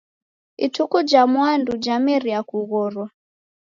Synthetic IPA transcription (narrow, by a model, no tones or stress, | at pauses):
itʰukud͡ʒamwandud͡ʒamɛɾiakuɣɔɾwa